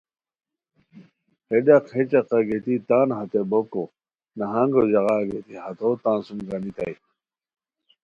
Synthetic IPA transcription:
heɖaqʰet͡ɕɐqɐɡet̪it̪aːnɦɐt̪eboko | nɐɦãŋɡod͡ʑɐɣaːɡet̪ihɐt̪ot̪ãːnsumɡɐnit̪ɐ̰j

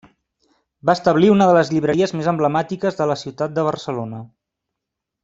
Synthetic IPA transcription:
bast̪əβliunəðələzʎiβɾəɾiəzmezəmbləmat̪ikəzðələsiwt̪at̪̚d̪əβ̞ərsəlonə

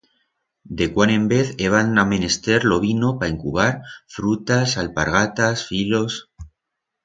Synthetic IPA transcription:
d̪e̞kwanẽ̞mbe̞θeβ̞aname̞ne̞st̪e̞ɾlo̞β̞ino̞paeŋkuβ̞aɾfɾut̪asalpaɾɣ̞at̪asfilo̞s

